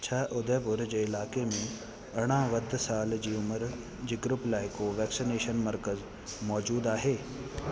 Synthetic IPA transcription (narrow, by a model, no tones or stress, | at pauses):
t͡ʃʰaːʔʊd̪ɛːbʊɾd͡ʑeːɪlaːkemẽ | ɐɽ̃ãːʋəd̪ʱsaːld͡ʑiːʊməɾ | d͡ʑiːɡɾʊplaːɪkoʋɛːksineːʃənməɾkəz | mɔːd͡ʒuːd̪aːɦeː